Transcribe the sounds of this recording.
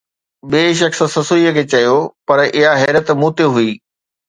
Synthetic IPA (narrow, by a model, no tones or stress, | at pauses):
ɓeːʃ̬ɐks̆sɐsoiəkʰeːt͡ɕɐjopɐɾʔɪɦaɦɛːɾət̪muːt̪eɦuiː